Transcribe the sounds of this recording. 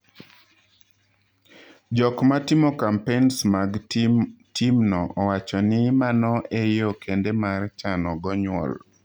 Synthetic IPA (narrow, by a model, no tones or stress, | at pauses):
d͡ʒɔkmatimokampensmaɡ | timnɔʔɔwat͡ʃɔnɪmanɔejokʰendemart͡ʃanɔɡɔɲwɔ̰l